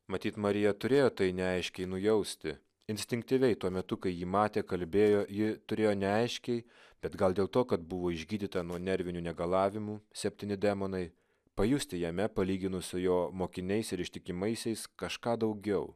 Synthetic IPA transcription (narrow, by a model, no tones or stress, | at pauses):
mɐt̪ʲiːt̪mɐɾʲɪjɛt̪ʊɾʲeːjoːt̪ɐɪnʲɛɐɪʃʲkʲɛɪnʊjɛʊsʲt̪ʲɪ | ɪnʲsʲt̪ʲɪŋk̚t̪ʲiʋʲɛɪt̪uɔmʲɛt̪ʊkɐɪjiːmɑːt̪ʲeːkɐlʲbʲeːjoːjɪt̪ʊɾʲeːjoːnʲɛɐɪʃʲkʲɛɪ | b̥ʲɛt̪ɡɐlˠd̪ʲeːlˠt̪oːkɐt̪bʊʋoːɪʒʲɡʲiːd̪ʲiːt̪ɐnuɔnʲɛɾʲʋʲɪnʲuːnʲɛɡɐlˠɑːʋʲɪmuːsʲɛpʲt̪ʲiːnʲɪd̪ʲæmoːnɐɪ | pɐjʊsʲt̪ʲɪjɛmʲɛpɐlʲiːɡʲɪnʊsʲʊjoːmoːkʲɪnʲɛɪsɪɾɪʃʲt̪ʲɪkʲɪmɐɪsʲɛɪskɐʃkɑːd̪ɐʊɡʲɛʊ